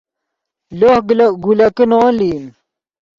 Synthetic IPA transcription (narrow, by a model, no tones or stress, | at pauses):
lohɡlɡulɐkinoːlim